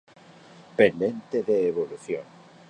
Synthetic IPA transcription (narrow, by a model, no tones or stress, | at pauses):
pend̪ẽnt̪eðeːβoluθjo̰ŋ